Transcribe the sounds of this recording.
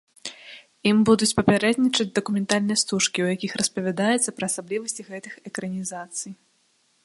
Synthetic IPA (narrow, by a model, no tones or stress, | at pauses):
imbud̪ut͡sʲpɐpʲaɾɛd̪nʲit͡ʂɐd͡zʲd̪ɐkumʲɛnt̪alʲnɨjɐst̪uʂkʲiwjakʲixrɐspɐvʲad̪ajɛt̪sɐpɾɐːsablʲivɐsʲt͡sʲiɣɛt̪ɨxɛkɾɐnʲizat̪sɨj